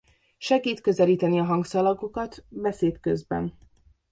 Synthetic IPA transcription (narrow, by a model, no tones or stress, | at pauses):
ʃɛɡiːt̪kø̞zɛliːt̪ɛniɒɦɒŋɡsɒlɒɡo̞kɒt̪bɛseːt̪køzbɛ̰n